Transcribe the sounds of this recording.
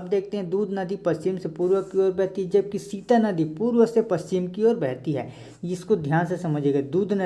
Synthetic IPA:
ɐb̚d̪eːk̚ʰt̪eɦɛ̃d̪uːd̪ʱnɐd̪ipɐst͡ʃɪmsepuːɾwəkːiɔːɾbɛɦt̪iɦɛd͡ʒɐb̚kisiːt̪anɐd̪ipuːɾwəsepɐst͡ʃɪmkiɔːɾbɛɦt̪iɦɛ̰ː | ɪskod̪ʱjaːnsesɐməd͡ʒeːɡad̪uːd̪nɐ

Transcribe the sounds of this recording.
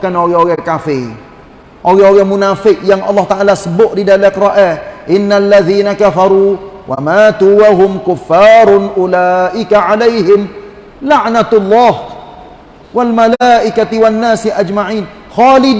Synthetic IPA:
kanoɣɛoɣɛkafɪ | ʔoɣɛoɣɛmunafɪʔjaŋʔɑ̰lːɑht̪aʔalasəbʊʔdidalɛkɾˤɑʔɛʔɪnːalːaðiːnakafɑɾuːwʔa̰maːt̪uwaɦʊmkʊfːaːɾˤnʔʊlaːʔɪkaʕalejɦɪm | laʕnat̪lˤːɑːh | walmalaʔɪkat̪ɪwanːaːsiʔad͡ʒmaʕiːn | xaːlɪd

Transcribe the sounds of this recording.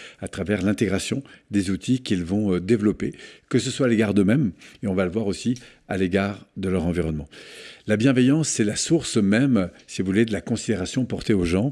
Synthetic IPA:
at̪χavɛʁlɛ̃t̪eɡʁasjɔ̃d̪ezut̪ʰikʲilvɔ̃d̪evlɔpekəsəswaːleɡaʁd̪əmɛmeɔ̃valəvwaʁosi | a̰leɡaʁd̪əlœʁɑ̃viʁɔnmɑ̃labjɛ̃vejɑ̃sːɛlasuʁsmɛmsivvuled̪əlakɔ̃sid̪eʁasjɔ̃pɔʁt̪eoʒɑ̃

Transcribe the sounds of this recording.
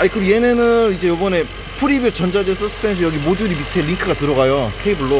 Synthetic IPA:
aikɯɾoje̞ne̞nɯnid͡ʑe̞jobʌne̞ | pʰuɾibjot͡ɕʌnd͡ʑad͡ʑes͈ʰɯs͈ʰɯ̥pʰensʰɯjʌɡimoduɾibitʰeɾiŋkʰɯɡatɯɾʌɡajokʰeibuɭːo

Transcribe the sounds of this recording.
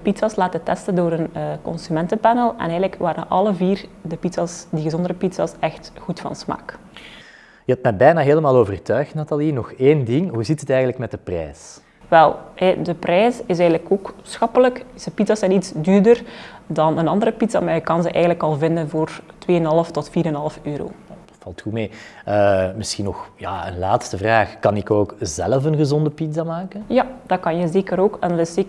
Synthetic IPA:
dəpitsɑslaːtətɛstəndoːɾənəkɔ̰nsymɛntəpɛnəlˠɛ̰nɛːɣənləkʋaːɾə̰nʔɑlˠəviːrdəpitsɑsdiɣəzɔndəɾəpitsɑ̰sɛxtɣutfɑ̰nsma̰ːk | jəɛtmɛbɛjnaːɦeːləmaːlˠoːvərtœɥxtnatalinɔxeːndɪŋɦuzitətɛjɣənləkmɛt̚dəprɛ̰ːs | ʋɛlˠɦɛdəprɛːsɪsɛːɣənləkoːksxɑpələksəpitzasɛnitsdyːrdərdɑnənɑndəɾəpitz̥a̰maːrjəkɑnzəʔɛːɣənləkɑlˠvɪndənvoːrtweːənɦɑlˠəftɔtfiːɾənɦɑlˠəføːɾo̰ː | vɑlˠtxumeːəmɪsxinːɔxjaːə̰nlaːtstəvraːxkɑnɪkoːkzɛ̰ləfənɣəzɔndəpitzamaːkənjad̥ɑkɑnjəzeːkəɾoːkɛndɑtɪseːk

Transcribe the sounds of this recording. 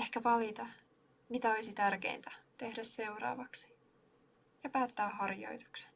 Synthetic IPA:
ehkæʋɑlit̪ɑ | mit̪æo̞jsit̪ærkḛint̪æ̥t̪e̞hdæsse̞wrɑ̰ːʋɑksi̥ | jɑpæːt̪ːæːɦɑrjo̞̰jt̪u̥kse̥

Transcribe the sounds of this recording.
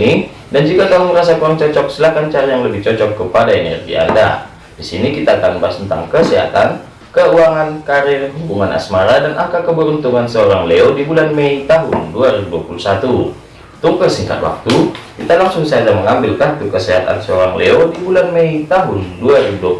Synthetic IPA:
i | dand͡ʒukak̪amʊŋɾas̬akuaŋt͡ʃɔt͡ʃɔk̚səlakant͡ʃaɾajaŋləbɪht͡ʃɔt͡ʃɔkːəpadaenɛ̰rɡḭa̰nda̰ | disinikit̪at̪anbast̪ənt̪a̰ŋkəseɦa̰t̪an | kəuaŋankaɾɪrɦubuŋanʔa̰smaɾadanʔakakəbəɾunt̪uŋansəoɾaŋleodibulanmeit̪aɦʊnduaɾibuduapulusat̪u | t̪uŋkəsiŋka̰t̪̚wa̰k̚t̪ukit̪alaŋsʊŋsaadaməŋambɪlkat̪ukəseɦat̪a̰nsəoɾaŋleodibulanmeit̪aɦʊnduaɾibuduap

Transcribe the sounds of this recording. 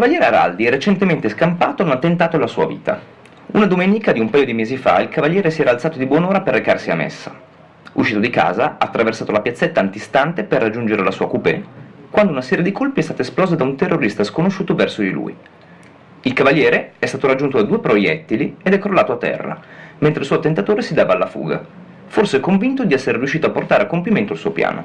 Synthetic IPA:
ikavalʎjɛːɾeaɾa̰ld̪iɛrːet͡ʃent̪ement̪eskampaːt̪oaunat̪ːent̪aːt̪olasuːa̰vḭːt̪a̰ | unad̪omeːnikad̪iumpaːjod̪imeːzifa̰ilkʰavaʎːjɛːɾesiɛːɾalt̪sat̪od̪ibwɔnoːɾaperːekarsia̰mḛsːḁ | uʃiːt̪od̪ika̰ːzaaːt̪ːɾʔaversaːt̪olapjat̪sːet̪ːaːnt̪ist̪ant̪eperːad͡ʒːund͡ʒeɾelasuːakupḛkwand̪ounasɛːɾjed̪ikʰolpiɛst̪aːt̪oesplɔːzod̪aunt̪erːoɾist̪askonoʃːuːt̪ovɛrsod̪ilṵḭ | ilkavaljɛːɾeɛst̪aːt̪oɾad͡ʒːunt̪od̪ad̪uːepɾojɛt̪ːilied̪ɛkːɾolaːt̪oat̪ːɛ̰rːa̰ment̪ɾelsuːot̪ːent̪at̪oːɾesid̪aːvaːlːafṵːɡa̰ | forseɛkːoɱvint̪od̪iɛsːeɾeriuʃːiːt̪oapːort̪aːɾeakːompiment̪oalsuːopja̰ːnʔo̰

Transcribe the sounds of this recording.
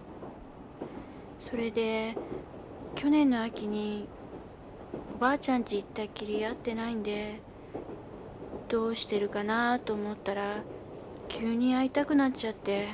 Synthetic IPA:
so̞ɾe̞d̪e̞ | kʲo̞nẽ̞nːo̞akʲiɲ̟i | o̞baːt͡ɕãɲt͡ɕiːt̪ːaikʲiɾʲiat̪ːe̞naĩnd̪e̞ | d̪̥o̞ːɕi̥t̪e̞ɾɯ̟kanat̪o̞ːmo̞t̪ːaɾa | kʲʰɨːɲ̟iait̪akɯ̟nat͡ɕat̪ːe̞

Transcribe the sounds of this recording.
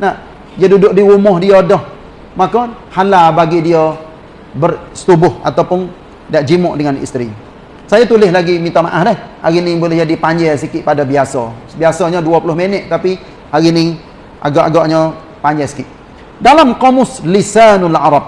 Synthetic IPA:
na | iadudʊʔdiumʊhdiɔdɔh | makɔ | halabaɡidiɔ | bərsə̥t̪ubʊha̰t̪awpʊn | daʔd͡ʒimʊʔdəŋanḭst̪ɾi | sajat̪ulɪhlaɡimint̪amaʔahdɛhaɾinibolɛhd͡ʒadipaɲd͡ʒɛsikɪʔpadabiasɔ | biasɔɲɔduapulʊhmenɛʔt̪api | aɾini | ʔa̰ɡɔʔaɡɔʔɲɔ | paɲd͡ʒɛsi̥kɪʔ | dalamqɔmʊslisanlaɾɑb̚

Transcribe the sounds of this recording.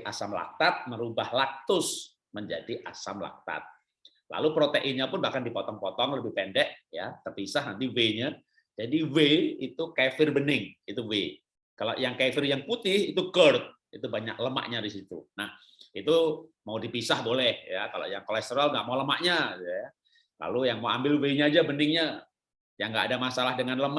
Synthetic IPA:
ʔasamla̰k̚t̪at̪̚məɾubahlak̚t̪ʊs | məɲd͡ʒadiʔasamla̰k̚t̪a̰t̪̚ | la̰lupɾot̪eʔɪnɲapʊnbahkandipot̪ɔŋpɔt̪ɔŋləbɪhpɛndɛʔja̰t̪ərpisahnant̪iweɲa | d͡ʒadiweit̪ukefɪrbənɪŋit̪uwe | kala̰jaŋkafɪrjaŋput̪ɪhit̪ukərt̪̚ | it̪ubaɲa̰k̚ləma̰ʔɲadisit̪ṵnah | it̪umaudipisahbolɛhjakalo̰jaŋkolɛst̪əɾalŋɡa̰ʔmauləmaʔɲat̪uja | la̰lujaŋmaambɪlweɲaːd͡ʒabənɪŋɲa | jaŋɡaʔːdamasalahdəŋanləm

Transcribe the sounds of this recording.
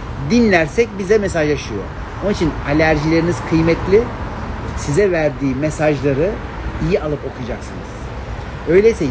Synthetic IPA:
d̪inlʲæɾsɛc̚bizɛmesaʒjaʃɯjo̞̰ | onit͡ʃʰinalʲæɾʒilʲe̞ɾiniz̥kʰɯjmɛt̪ʰlʲɪ | sizɛvæɾd̪iːmesaʒlˠaɾɯ | ijialˠɯpo̞kʰujad͡ʒaksɯnɯ̰z̥ | ø̞jlʲeisɛ

